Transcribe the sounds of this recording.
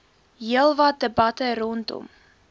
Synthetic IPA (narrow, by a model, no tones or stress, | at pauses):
ɦiəlˠvɐt̚dəbɐtəɾɔntɔ̰m